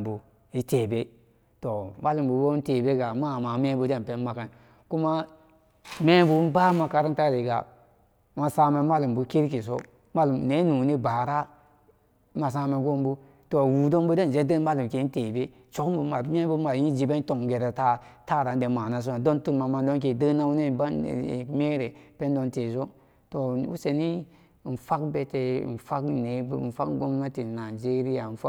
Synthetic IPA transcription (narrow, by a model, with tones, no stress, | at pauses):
bu˨ | i˦teː˨be˦ | to˨ma˦lu˨m˨bu˨bo˦te˨be˦ɡa˨ma˦˨ma˨me˦bu˦de˦n˨pe˦n˦ma˨ka˨n | ku˦ma˦ | me˦bu˨˦n˦ba˦ma˨ka˨ɾi˦ta˦ɾe˨ɡa̰˨ | ma˨sa˦me˨ma˦lu˨mbu˨ki˦ɾki˨s̬o̰˦ | ma˦lu˨m˨ne˦nu˨ni˦ba˨ɾa˦ | ma˨s̬a˦me˨ɡo˦mbu˦ | to˨wu˨do˦nbu˦de˦n˨d͡ʒe˦də˦ma˦lu˨m˨ke˨˦te˨be˦ | t͡ʃo˨kbu˨˦ma˨˦m˦e˦bu˦ma˨˦i˦d͡ʒi˨be˦n˦to˨ŋɡe˨ɾe˨ta˦ta˦˨ɾa˨n˦de˨ma˨na˨˦s̬u˦na˨do˦ntu˦nma˨ma˦˨ndo˦nk̬e˨də˦na˦wu˦ne˦ba˦n̰˨me˦ɾe˨pe˦n˦do˦nte˨s̬o˦ | to˨ṵ˦se˨ni˦˨ | n̩˨fa˦kbe˦tḛ˨n̩˨fa˦kne˨˦˨n̩˨fa̰˦kɡo˦m˦na˦ti˨na˨d͡ʒe˦ɾi˦ja˨n̩˨fa˦